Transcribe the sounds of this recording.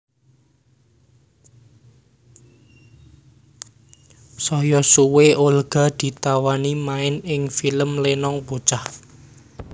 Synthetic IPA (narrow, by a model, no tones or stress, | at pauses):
sɔjɔsuweʔolɡ̥a̤d̪̥i̤t̪awanimaɪnɪŋfiləmlenɔŋpot͡ʃah